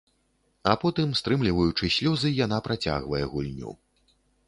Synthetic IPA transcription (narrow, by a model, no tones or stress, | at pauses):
ɐpɔt̪ɨmst̪ɾɨmlʲivɐjut͡ʂɨsʲlʲɔzɨjanapɾat͡sʲa̰ɣvɐjɛɣulʲnʲṵ